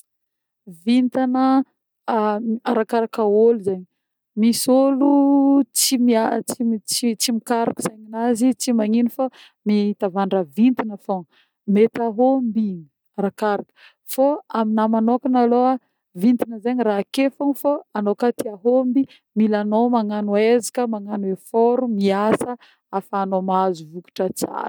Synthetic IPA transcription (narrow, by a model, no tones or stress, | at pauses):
vint̪anə | aɾakaɾakaoluzaɲi | misolut͡simiat͡sit͡sit͡simikaɾakə̥z̥aɲinazit͡simaŋinufa | miit̪avaɳɖ͡ʐavint̪inəfoŋ | met̪aɦombi | rakaɾakə̥ | foaminamanokanaloa | vint̪inəzaɲirakefoŋfoanokat̪iaɦombi | milanomaŋanuezi̥kəmaŋanuefoɾumiasə | afaːnomazuvuku̥ʈ͡ʂət͡sa̰ɾ